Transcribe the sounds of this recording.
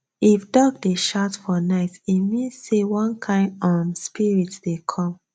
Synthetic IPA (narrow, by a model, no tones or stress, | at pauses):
ifdɔɡdeʃatfɔnaɪtimĩnsewɔ̃nkʰãɪ̃nɔmspiɹitdekʰɔ̃m